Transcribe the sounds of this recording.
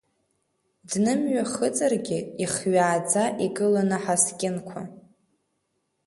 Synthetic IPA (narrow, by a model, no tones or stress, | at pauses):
dnɨmɥaχət͡sʼarɡʲɪiχɥaːd͡zaʔiɡɨlanɨħaskʲʼɪnkʷʰa